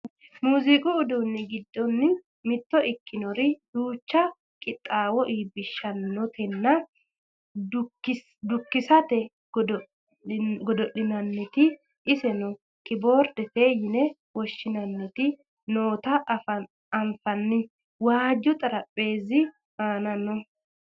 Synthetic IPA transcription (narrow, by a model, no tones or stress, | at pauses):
muːzɪkʼʊːd̪unːɪɡɪd̪ːɔnːɪ | mɪt̪ːɔʔɪkʰːɪnɔɾɪd̪uːt͡ʃːɐ | kʼɪt̪ʼːaːwɔʔiːbɪʃːɐnːɔt̪ɛnːɐ | ɪ | d̪ʊkːɪsɐt̪ɛ | ɡd | ɡɔd̪ɔʔɪnɐnːɪt̪ɪ | ʔɪsɛnɔ | kʼɪbo̞ːɾd̪ɛfe̞ːjɪnɛ | wɔʃːɪnɐnːɪt̪ɪ | noːt̪ɐfɐ | ɐɱfɐnːɪ | waːd͡ʒʊt̪ʼɐɾɐpʼːe̞ːzɪ | maːnɐnːɔ